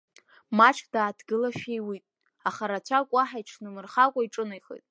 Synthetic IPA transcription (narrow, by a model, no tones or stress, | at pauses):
mat͡ʃʰd̥aːdɡɨlaʃᶣejwitʼ | aχaɾat͡ɕʷʰakʷʼaħaiʈ͡ʂʰnɨmɨrχakʷʼaiʈ͡ʂʼɨnajχḛtʼ